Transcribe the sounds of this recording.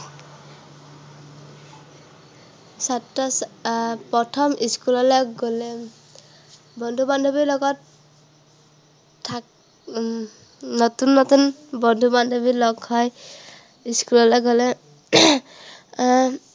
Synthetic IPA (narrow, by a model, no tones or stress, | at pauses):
satːɔspɔtʰɔmiskulɔlɔjɡolɛ | bɔndʱuband̪ʱubilɔɡɔt | a | ɔt̪unːɔt̪unbɔnd̪ʱuband̪ʱubilɔɡhɔj | iskulɔlɔjɡolɛ